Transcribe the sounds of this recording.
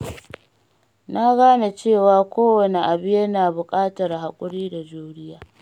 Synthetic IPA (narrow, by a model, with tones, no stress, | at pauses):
na˦ɡaː˦na˨t͡ʃeː˦˨waː˦kʷoː˦wɐ˨ni˨ʔa˨bɪ˦je˦na˨bʊ˨kʼaː˦tɐ˨ɾɦa˨kʷʼʊ˦ɾiː˦da˨d͡ʒuː˦ɾɪ˦jaː˨